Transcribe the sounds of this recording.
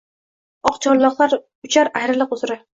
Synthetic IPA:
ɒqt͡ʃʰɒɾlˠɒqlˠaɾ | ʊt͡ʃʰaɾajɾɪlɪqʊzɾɪ

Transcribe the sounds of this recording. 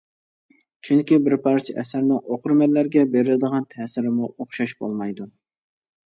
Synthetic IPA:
t͡ʃʰyŋkʲibɪɾpʰɑɾt͡ʃʰɪʔɛsæɾnɪŋoqʰʊɾmɛlːæɾɡʲɛbeɾɪlɪd̪əʁɑnt̪ʰɛːsɪɾɪmuoχʃɑʃbo̰lˠmɑjd̪u

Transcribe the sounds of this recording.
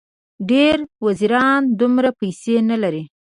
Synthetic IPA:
ɖeɾwaziɾɑnd̪umɾapajsenalaɾi

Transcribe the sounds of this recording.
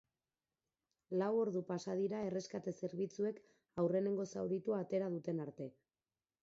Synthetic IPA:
lawo̞ɾðupasaðiɾae̞re̞skat̪e̞se̞ɾβ̞it͡sue̞k | awre̞ne̞ŋɡo̞sawðit̪uaːt̪e̞ɾað̞ut̪e̞naɾt̪e̞

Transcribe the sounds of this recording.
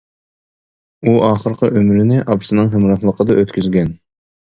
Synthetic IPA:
uʔɑːχəɾqəʔømɾɪnɪʔɑbsɨnɨŋɦɪmɾɑχlˠəqʰəd̪ɑʔøt̪kʲʰyzɡʲɛn

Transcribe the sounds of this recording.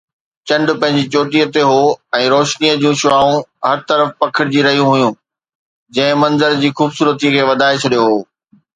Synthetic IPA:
t͡ɕɐ̃ɳɖʊpɐ̃ɦɪ̃ɲ̆d͡ʑit͡ɕoːʈiət̪eɦoːɛ̃ːɾoːʃniəd͡ʑũʃʊaːũɦɐɾt̪ɐɾəfpɐkʰɪɽɪd͡ʑiːɾɐɦijũɦʊjũː | d͡ʑɐ̃ɦɪ̃mɐ̃nzəɾd͡ʑiːxuːbsuːɾət̪ikʰeːʋɐd̪ʱaːet͡ɕʰɐɗijoɦoː

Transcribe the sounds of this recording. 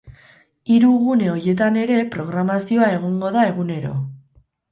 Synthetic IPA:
iɾuɣune̞o̞je̞t̪ane̞ɾe̞pɾo̞ɣɾamasio̞ae̞ɣ̞o̞ŋɡo̞ðae̞ɣ̞une̞ɾo̞̰

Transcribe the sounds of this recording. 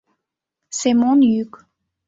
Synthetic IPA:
sɛmɔ̃nyk

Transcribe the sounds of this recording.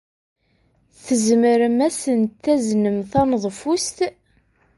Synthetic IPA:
θəzməɾəmæsənt̪ːæznəmθɑnəðˤfust̪

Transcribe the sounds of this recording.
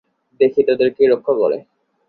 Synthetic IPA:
d̪ekʰit̪ad̪eɾkiɾokʰːoko̰lḛ

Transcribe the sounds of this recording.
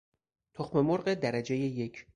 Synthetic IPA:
t̪ʰoxme̞moɾɢed̪æɾæd͡ʒe̞jeje̞cʰ

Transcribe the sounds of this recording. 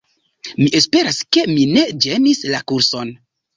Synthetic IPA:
miʔe̞spe̞ɾaske̞mine̞d͡ʒe̞nislakuɾso̞n

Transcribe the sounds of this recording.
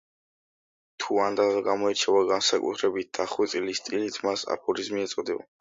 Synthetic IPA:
t̪ʰuand̪azaɡamɔɛt͡ʃʰɛvaɡansakʼṵt̪ʰɾɛbit̪̚d̪̥aχwit̪sʼilist̪ʼilit̪ʰmasa̰pʰɔɾizmiɛt̪sʼɔd̪ia̰

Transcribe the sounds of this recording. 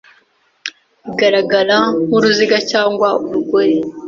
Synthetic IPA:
iɡaɾaɡaɾamuɾuziɡacaːŋɡwauɾuɡo̞ɾe

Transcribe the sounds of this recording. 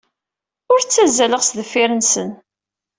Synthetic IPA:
ʊɾt͡sːæzːæləʁsðəfːɪɾənsən

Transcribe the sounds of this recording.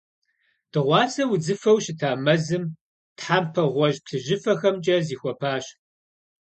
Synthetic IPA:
d̥ɨʁʷɑːsɐwʊd͡zɨfɐwɕɪtʰaːmɐzɨm | tħampʰɐʁʷɔʑpɬʰɨʒɪfɐxɐmt͡ʃʼɐziːxʷɔpʰaːɕ

